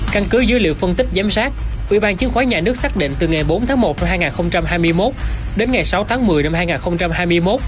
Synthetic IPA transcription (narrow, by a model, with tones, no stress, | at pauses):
ka˧nkɨ˨˦zɨ˨˦jlḭ˧˨əwfə˧ənt̪ï˦˥k̟̚zaː˨˦msaː˦˥k̚ʔwḭ˧˩ɓaː˧nt͡ɕi˨˦ənxwaː˨˦jɲaː˨˩nɨ˦˥ək̚saː˦˥k̚ɗḭ˧˨ŋ̟t̪ɨ˨˩ŋa˨˩jɓo˨˦nt̪ʰaː˨˦ŋmo˨˩t̚na˧mɦaː˧jŋaː˨˩nxə˧wŋ͡mt͡ɕa˧mɦaː˧jmɨ˧əjmo˦˥t̚ | ɗe˨˦nŋa˨˩jsa˨˦wt̪ʰaː˨˦ŋmɨ˨˩əjna˧mhaː˧jŋaː˨˩nxə˧wŋ͡mt͡ɕa˧mhaː˧jmɨ˧əjmo˦˥t̚